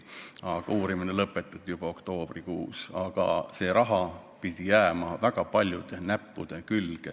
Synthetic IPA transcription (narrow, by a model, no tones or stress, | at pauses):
ɑɡ̥ɑuːɾiminelɤpːˑet̪ːˑɑt̪jub̥ɑo̞kt̪o̞ːb̥rikuːsɑ̰ɡ̥ɑ̰se̞ːɾʔɑɦɑpid̪̥ʲijæːmɑvæɡ̥ɑpɑlʲjud̪̥e̞næpːud̪̥e̞kylɡ̥e